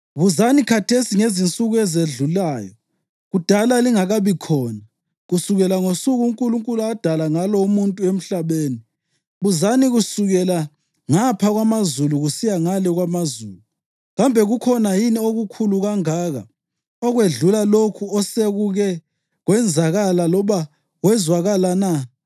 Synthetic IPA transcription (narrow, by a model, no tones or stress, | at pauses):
βuzanikʰatʰesiŋezint͡sʼuɣuɛzeɮulaːjɔ | ɣud̥ʱalaliŋaɣaβikʰɔːna | ɣusuɣɛlaŋosuɣuŋkʼuluŋkʼuluad̥ʱalaŋalɔumuntʼuem̩ɬaβeːni | βuzaniɣusuɣɛla | ŋapʰaɣwamazuluɣusijaŋalɛɣwamazuːlu | ɣambʱɛɣukʰɔnajinioɣukʰuluɣaŋaːɣa̰ | ɔɣweɮulalokʰuɔseɣuɣɛ | ɣwɛnd͡zʱaɣalalɔβa | wɛzwaɣalana